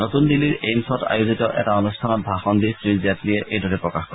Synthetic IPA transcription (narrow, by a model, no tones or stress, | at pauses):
notundilːiɹejmsɔta̰juzitɔʔɛ̰taɔnustʰanɔt̚bʱaxɔndisɹiziatliɛʔejdʱɔɹɛpɹɔkaxkɔ